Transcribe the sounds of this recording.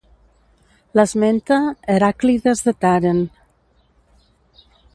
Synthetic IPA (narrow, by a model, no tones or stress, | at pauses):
lazment̪aeɾakliðezðet̪aɾen